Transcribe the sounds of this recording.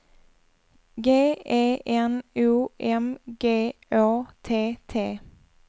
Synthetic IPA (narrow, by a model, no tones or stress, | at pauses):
ɡeːeːʔɛnʉːʔɛmɡeːʔoːt̪ʰeːt̪ʰeː